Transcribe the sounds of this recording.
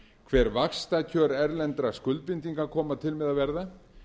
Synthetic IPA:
kʰvɛːɾvaxst̪acʰœːɾɛɾlɛnt̪ɾaskʏlt̪vɪnt̪iŋkakʰɔːmat̪ʰɪlmɛðavɛɾða

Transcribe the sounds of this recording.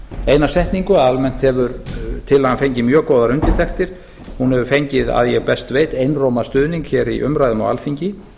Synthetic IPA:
ejnasɛht̪niŋkʏaðalmɛn̥t̪hɛvʏɾt̪ʰɪlaanfejɲcɪmjœːkoːwðaɾʏnt̪ɪt̪ʰɛxt̪ɪɾ̥ | hunhɛvʏɾfejɲcɪða̰ðjɛɣpɛst̪veːjt̪ejnroːwmast̪ʏːðniŋkçɛɾḭʔʏ̰mɾajðʏma̰wa̰lfiɲcɪ

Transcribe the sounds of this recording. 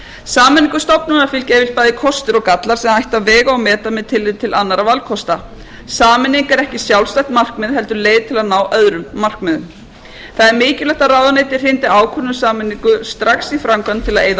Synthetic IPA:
saːmɛniŋkʏst̪ɔpnʏnafɪlcɛvɪl̥t̪̚paːjðikʰɔst̪ɪɾɔkat̪laɾ̥sɛmaajht̪avvɛːɣaːwmɛːt̪amɛðt̪ʰɪlːɪðt̪ʰɪlanːaɾavalkʰɔst̪a | saːmɪnːiŋkɛɾɛhcɪsjawlst̪ajht̪mar̥kmɛðɦɛlt̪ʏɾleːjðt̪ʰɪlaðnaːwʔœðɾʏmːar̥kmðʏm | θaðɛɾmɪːcɪlɛht̪aɾaːwðaneːjt̪ɪ̥r̥ɪjnt̪ɪaːwkʰœnːʏsaːmɪnːiŋkʏst̪ɾaksifɾamkant̪ʰɪlaðeːjða

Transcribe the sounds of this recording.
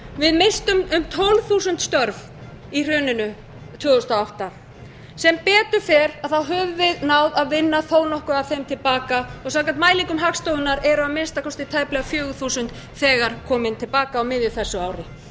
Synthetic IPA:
vɪðmɪst̪ʏmʏmt̪ʰowlθusʏnt̪st̪œɾv | ir̥ʏːnɪnʏ | t̪ʰvʏːɣʏst̪aawht̪a | sɛmpɛːt̪ʏfɛɾaðθawɦœvʏvɪðnaːwðaðvɪnːaθoːwnɔhkʏaθejmt̪ʰɪlpaːkaɔɣsaːkant̪maːjliŋkʏmɦakst̪owðʏnaɾɛɾʏamɪnst̪akʰɔst̪ɪt̪ʰaːjplɛɣafjœːɣʏθusʏnt̪ | θɛːɣaɾ̥kʰɔːmɪnt̪ʰɪlpaːkaːwmɪðjɪθɛsːʏaːwɾɪ

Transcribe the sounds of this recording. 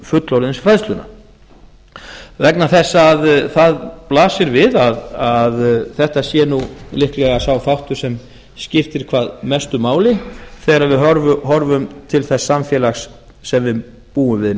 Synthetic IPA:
fʏt̪lowlɪnsfɾajðst̪lʏna̰ | vɛknaθɛsːaːðθaðplaːsɪɾvɪðaðaðθɛht̪asjɛnulɪhklɛɣasawθawht̪ʏɾ̥sɛm | scɪft̪ɪɾ̥kʰvaːðmɛst̪ʏmaːwlɪθɛːɣaɾaðvɪɦɔɾvʏɦɔɾvʏmt̪ʰɪlθɛsːamfjɛːlaxsː | ɛmvɪð | puːʏmvɪð

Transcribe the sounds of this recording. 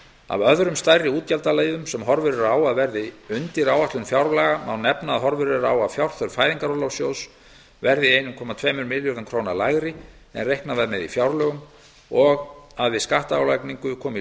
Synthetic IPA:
a̰vœðɾʏmst̪ajrːɪuːt̪̚calt̪aleːjðʏmsɛmɦɔɾvʏɾʏɾaːwaðvɛɾðɪʏnt̪ɪɾaːwaht̪lʏnfjawɾlaɣamawnɛpnaðɦɔɾvʏɾʏɾaːwaðfjawɾ̥θœɾ̥faːjðiŋkaɾɔlawsjows | vɛɾðɪejnʏmkʰɔːmat̪ʰvɛːmʏɾmɪljɔɾðʏmkʰɾoːwnalajɣɾɪ | ɛ̰nrejhknavaðmɛðḭfjawɾlœːɣʏm | ɔɣaðvɪðskaht̪aːwlajkniŋkʏkʰɔːmɪ

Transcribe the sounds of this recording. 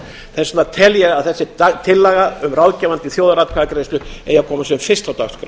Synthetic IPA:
θɛsnat̪ʰɛljɛɣaðθɛsːɪt̪ʰɪlːaːɣaʏmrawðcɛːvant̪ɪθjoːwðaɾat̪kʰaːðkɾejst̪ʏḛjakʰɔːmasɛʏmfɪrst̪awt̪akskɾ

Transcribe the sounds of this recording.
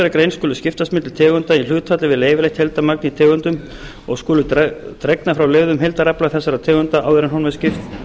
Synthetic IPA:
ɾakɾejnskɔːlʏscɪft̪asmɪt̪l̥t̪ʰɛːɣʏnt̪ail̥ʏːt̪fat̪lɪvɪðleːjvɪlejht̪hɛlt̪amak̚nit̪ʰɛːɣʏnt̪ʏm | ɔɣskɔːlʏt̪ɾɛknafɾawlevðʏmɦelt̪aɾaplaθɛsːaɾat̪ʰɛːɣʏnt̪aʔa̰ːwðɪɾanɦɔnvɛscɪft̪

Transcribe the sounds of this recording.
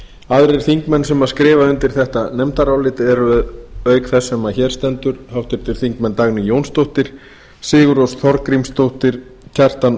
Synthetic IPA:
aðɾɪɾ̥θiŋkmɛnːsɛmaðskɾɪːvaʏnt̪ɪɾ̥θɛht̪anɛmt̪aɾawlɪːt̪ɪɛɾʏðœːɥkθɛsːɛmːaçɛːɾ̥st̪ɛnt̪ʏɾ̥hawht̪ʏɾ̥t̪ʰɪlθiŋkmɛnːt̪aɣnʏjownst̪owht̪ɪɾ̥ | sɪːɣʏɾowsθɔɾkɾimst̪owht̪ɪɾ̥ | cʰar̥t̪an

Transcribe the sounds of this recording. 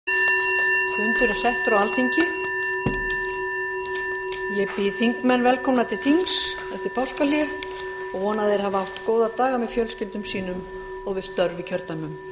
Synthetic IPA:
sʏnt̪ʏɾḁsɛht̪ɾawalt̪θʰiɲcɪ | jɛpɪθiŋkmɛnːvɛlkʰɔmnat̪ʰɪ̥θiŋs | ɛft̪ʏɾ̥pʰawskaljɪ | ɔɣhɔnaðθejɾ̥havawht̪koːwðat̪aːɣamɛðfjœlscɪlt̪ʏmsiːnʏm | ɔɣvɪðst̪œɾvɪcʰœɾt̪namʏm

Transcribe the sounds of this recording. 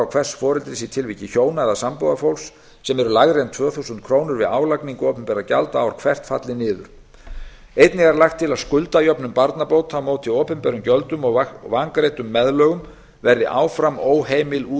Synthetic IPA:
awkʰv̥ɛrsfɔːɾʏlt̪ɾɪsit̪ʰɪlviːcɪçoːwnaðasampowðafowls | sɛmɛɾʏlaɣɾent̪ʰvœːθusʏnt̪kʰɾoːwnʏɾvɪaːwlakniŋkʏɔːpʏmpɛɾacalt̪aːwɾ̥kʰv̥ɛr̥t̪fa̰t̪lɪnɪːðʏ̰ɾ̥ | ejt̪nɪɣaɾlaxt̪ʰːɪlaðskʏlt̪ajœpnʏmpaɾt̪napowt̪ʰamoːwt̪ʰːɪɔːpɛmpɛɾʏmcœlt̪ʏmɔɣvaŋkɾejt̪ʏmːɛðlœːɣʏm | vɛɾðɪʔa̰ːwfɾamoːwɦeːjmɪlu

